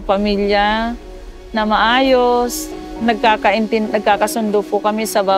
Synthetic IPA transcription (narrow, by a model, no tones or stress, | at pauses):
pɐmilja | nɐmɐʔaːjosnɐɡ̚kaːkɐʔɪnt̪ɪnnɐɡ̚kaːkɐsʊnd̪ʊpʊkɐmɛsɐbaː